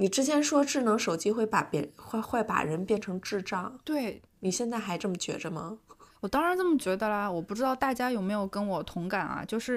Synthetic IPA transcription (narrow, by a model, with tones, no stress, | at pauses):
ni˨˩ʈ͡ʂɻ̩˥t͡ɕʰjɛ˧˥nʂwɔ˥ʈ͡ʂɻ̩˥˩nɤ˧˥ŋʂo˨˩ʊt͡ɕi˥xwe˥˩ɪpa˨˩pjɛ̰˨˩˥xwe˥˩ɪpa̰˨˩ɻə˧˥npjɛ˥˩nʈ͡ʂʰɤ˧˥ŋʈ͡ʂɻ̩˥˧ʈ͡ʂɑ˥˩ŋt̪we˥˩ɪ | ni˨˩ɕjɛ˥˧nt͡sa˥˩ɪxa˧˥ɪʈ͡ʂɤ˥˩mə˩t͡ɕɥɛ̰˧˥ʈ͡ʂə˧mɐ̰˩wɔ˨˩t̪ɑ˥ŋɻa˧˥nʈ͡ʂɤ˥˩mə˩t͡ɕɥɛ˧˥d̪ə˧lɐ˧wɔ˨˩pu˥˩ʈ͡ʂɻ̩˥t̪ɑ˥˧ʊt̪a˥˩t͡ɕja˥jo˨˩ʊme˧˥ɪjo˨˩ʊkə˥nwɔ˨˩t̪ʰʊ˧˥ŋka˨˩nɐ̰˩˦t͡ɕjo˥˧ʊʂɻ̩˥˩